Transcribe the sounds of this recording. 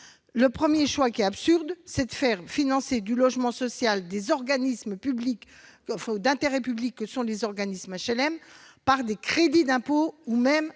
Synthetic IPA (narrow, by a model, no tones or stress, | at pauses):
ləpχəmjeʃwakʲiɛapsyʁd̪sɛd̪əfɛʁfinɑ̃sed̪ylɔʒmɑ̃sɔsjald̪ezɔʁɡanisməpyblik | ɑ̃fɛ̃ud̪ɛ̃t̪eʁɛpyblikːəsɔ̃lezɔʁɡanismaʃɛlɛmpaʁd̪ekχed̪id̪ɛ̃poumɛm